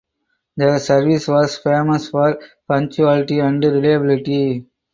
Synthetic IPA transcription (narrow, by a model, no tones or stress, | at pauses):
d̪əsɐɾʋisʋɔːsfeːməsfɔːɾpɐ̃ŋk̚t͡ʃuælɪʈiæ̃ɳɖɾɪlajɐbɪlɪʈi